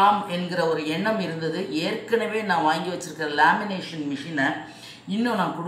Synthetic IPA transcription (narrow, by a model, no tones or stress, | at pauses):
aːmɛnɡɪɾɐɔɾɯɛɳːɐmɪɾɯnd̪ɐðɯʔeːɾkɐɳɐʋeːnãːʋaːŋɡiʋɐt͡ʃːɪɾɯkːɪɾɐlaːmɪneːʂɐnmɪʂɪnɐ | ɪnːõːnãːkʊɽ